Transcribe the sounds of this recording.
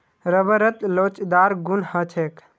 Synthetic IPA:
ɾəbəɾət̪lot͡ʃd̪aːɾɡunhət͡ʃʰek

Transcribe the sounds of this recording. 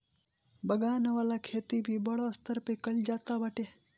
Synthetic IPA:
bɐɡaːnʋaːlakʰeːt̪ibʱibɐɽost̪ʰəɾpekɐld͡ʒaːt̪abɐʈeː

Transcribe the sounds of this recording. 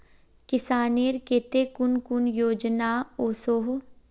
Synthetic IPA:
kɪsaːneːɾkeːt̪ekʊnkʊnjoːd͡ʒnaoːsoɦo

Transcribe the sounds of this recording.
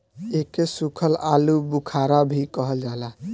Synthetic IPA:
ekesukʰəlalubukʰaɾabʱikəɦəld͡ʒala

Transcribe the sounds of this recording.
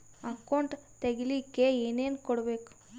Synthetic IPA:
ɐkɐwɳʈt̪eɡilikːeeːneːnkɔɽbeːku̥

